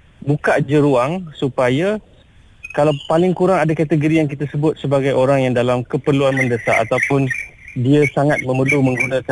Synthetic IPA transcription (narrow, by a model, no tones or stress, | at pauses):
bukaʔd͡ʒəɾuaŋsupaja | kalawpalɪŋkuɾaŋadakat̪əɡoɾijaŋk̬it̪asəbʊt̪̚səbaɡajoɾaŋjaŋdalamkəpərluanmə̃ndəsa̰a̰t̪awpʊndiasaŋat̪̚mə̃məlumə̃ŋɡunaka